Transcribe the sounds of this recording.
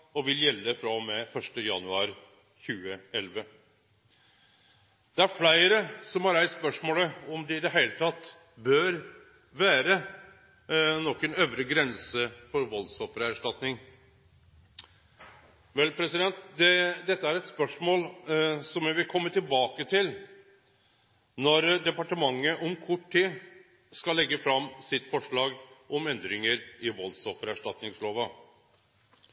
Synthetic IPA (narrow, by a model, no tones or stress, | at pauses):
ɔʋɪljɛlːəfɾɑmɛfœʂʈəjɑ̰nʉɑ̰ːɾɪ | çʉːəɛlʋə | d̪̥ɛæɾflæɪɾəsɔmhɑɾæɪsspœʂmoːləɔmd̪ɛɪd̪ɛɦæɪlət̪ʰɑt̪ː | bœɾ | ʋæːɾə | nɔkːɛnøːʋɾəɡɾɛnsəfɔɾʋɔlsɔfɾəæʂʈɑt̪nɪŋ | ʋɛlpʰɾɛsɪd̪ɛnt̪d̪ɛd̪ɛt̪ːəæɾɛt̪spœʂmoːlsɔmjæʋɪlkʰɔmːət̪ɪlbɑːkət̪ʰɪl | nɔɾd̪ɛpɑʈəmɑŋːəʔɔmkʰʊʈʰːiː | skɑlːɛɡːəfɾɑmːsɪt̪ːfɔʂɭɑːɡʔɔmɛnd̪ɾɪŋəɾɪʋɔlsɔfəɾæʂʈɑt̪nɪŋsloːʋə